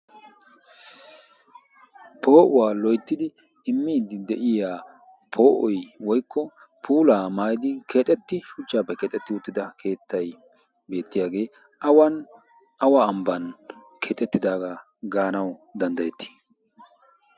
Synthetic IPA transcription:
pʰo̞ːʔʊwaːlɔjt̪ːɪd̪ɪ | ɪmːiːd̪ɪd̪ɛʔɪjaː | pʰo̞ːʔɔjwɔjkʰːɔ | pʰuːlaːmaːjɪd̪ɪkʰeːt̪ʼɛt̪ːɪʃʊt͡ʃːaːpːɛkɛːt̪ʼɛt̪ːɪʊt̪ːɪd̪ɐkʰe̞ːt̪ːɐj | be̞ːt̪ːɪjaːɡe̞ː | ɐwɐn | ʔɐwaːmbɐnkʰeːt̪ʼːɛt̪ːɪd̪aːɡaː | ɡaːnɐwd̪ɐnd̪ɐjɛt̪ːi̥

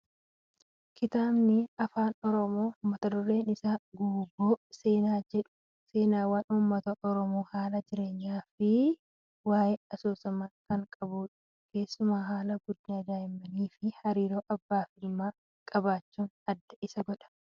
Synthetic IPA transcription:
kʰɪt̪aːbnɪɐfaːnɔɾɔmo̞ːumːɐt̪ɐd̪ʊrːe̞ːnɪsaːɡuːbːoːse̞ːnaːd͡ʒɛᶑʊ̥ | se̞ːnaːwɐnuːmːɐt̪ɐʔɔɾɔmo̞ːhaːlɐd͡ʒɪɾe̞ːɲːaːfɪ | waːjeɐsoːsɐmaːkɐŋkʼɐbuːᶑ | ke̞ːsːʊmaːɦaːlɐɡʊd̪nɐd̪aːjɪmːɐniːfɪhɐɾiːɾoːʔɐbːaːfɪlmaː | kʼɐbaːt͡ʃːuːn | ɐd̪ːɐʔɪsɐɡɔᶑɐ̥

